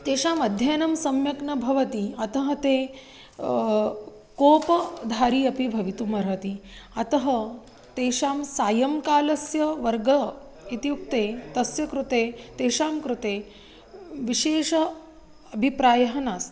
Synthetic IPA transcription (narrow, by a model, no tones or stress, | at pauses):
t̪eːʃaːmɐd̪ʱjajnɐmsɐmjɐknɐbʱɐʋɐt̪iɐt̪ɐɦɐt̪eː | koːpɐd̪ʱaːɾiːɐpibʱɐʋit̪umɐɾɦɐt̪iɐt̪ɐɦɐ | t̪eːʃaːmsaːjɐmkaːlɐsjɐʋɐɾɡɐ | it̪juk̚t̪eːt̪ɐsjɐkɾut̪eːt̪eːʃaːmkɾut̪eː | ʋiʃeːʂɐ | ɐbʱipɾaːjɐɦɐnaːs